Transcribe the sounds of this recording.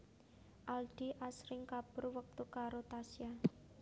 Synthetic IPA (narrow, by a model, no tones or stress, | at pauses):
ʔalɖ̥iʔasɾɪŋkab̥ʊrwək̚t̪ukaɾot̪asia